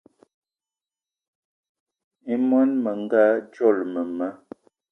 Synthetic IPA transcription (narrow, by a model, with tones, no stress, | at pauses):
i˦mwa˦nmə˨ŋ˦ɡa˦d͡ʒɔ˦˨lmə˨ma˦